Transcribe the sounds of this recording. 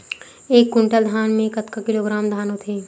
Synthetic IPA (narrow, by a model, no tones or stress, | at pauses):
eːkːʊɳʈəld̪ʱaːnmẽkət̪kakɪloːɡɾaːmd̪ʱaːnot̪ʰeː